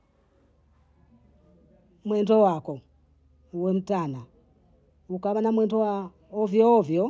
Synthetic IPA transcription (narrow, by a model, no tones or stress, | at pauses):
mwɛndɔwakɔ | uwɛm̩tana | ukaβanamwɛndɔwa | ɔvjɔːvjɔ